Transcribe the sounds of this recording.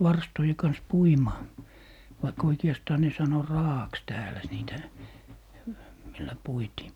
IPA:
ʋɑrstoje kɑns puimɑː ʋɑik oikeɑstɑː ne sɑno rɑːɑks tæːlæ niːtæ milːæ puitiː

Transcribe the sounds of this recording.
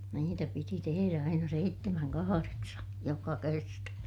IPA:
niːtæ piti teheræ ɑinɑ seitːemæŋ kɑhɑreksɑ jokɑ kertɑ

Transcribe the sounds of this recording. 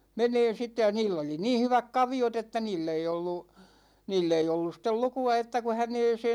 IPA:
meneːn̞ sitːe jɑ niːlː oli niː hyʋæk kɑʋiot etːæ niːlː ei olːu niːlː ei olːus̆ stel lukuɑ etːæ ku hæneːseːn̞

